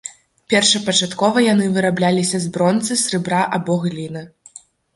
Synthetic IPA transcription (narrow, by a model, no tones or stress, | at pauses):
pʲɛrʂɐpɐt͡ʂat̪kɔvɐjanɨvɨɾablʲalʲisʲɐzbɾɔnt̪sɨsʲrɨbɾaʔabɔɣlʲinɨ